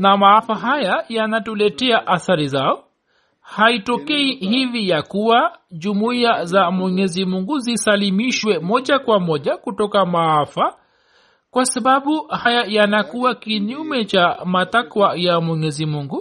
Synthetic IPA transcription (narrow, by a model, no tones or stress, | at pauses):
namaafaɦajajanatulɛtɛaʔaθaɾizaɔ | haitɔkɛiɦivijakuwaʄumuiazamwɛɲɛzimuŋɡuzisalimiʃwɛmɔʄakwamɔʄakutɔkamaafa | kwasaɓaɓuhajajanakuwakiɲumɛt͡ʃamatakwajamwɛɲɛzimuŋɡu